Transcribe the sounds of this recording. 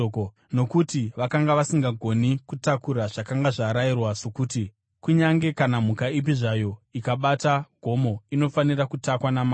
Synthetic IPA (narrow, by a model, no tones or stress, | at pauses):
ko | no̞kutiʋakaŋɡaʋasiŋɡaɡʱo̞nikutakuɾaʐakaŋɡaʐaɾairwaʂokuːti | kuɲaŋɡe̞kanamukaip̬iʐajo̞ikaɓataɡ̥ʱo̞mo̞ino̞fanirakutakwanama